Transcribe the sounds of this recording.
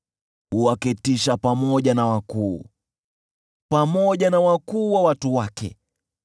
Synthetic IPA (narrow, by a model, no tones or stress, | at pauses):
huwakitiʃapamɔʄanawakuː | pamɔʄanawakuːwawatuwakɛ̰